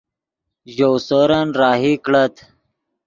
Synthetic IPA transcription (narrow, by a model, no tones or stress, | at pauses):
ʑowsoɾənɾaːɦikɽət̪